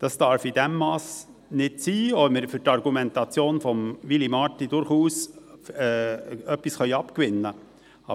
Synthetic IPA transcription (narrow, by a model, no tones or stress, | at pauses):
d̥ɑsd̥ɑɾfidɛmːɑːs | nɪdsiːɔlməɾfʏɾtɑɾɡumɛntɑt͡sjoːnfɔmʋilimɑtidʊɾχuːsɛːœpisχœʏɑpkʋɪnːə | ɑ